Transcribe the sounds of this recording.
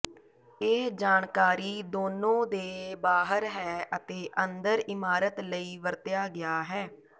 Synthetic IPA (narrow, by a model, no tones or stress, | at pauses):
eːd͡ʒaːɳkaːɾiːd̪oːnõːd̪eːbaːɦəɾɦɛːʔət̪eːʔə̃nd̪əɾɪmaːɾət̪ləiːʋəɾt̪ɪjaːɡɪjaːɦɛː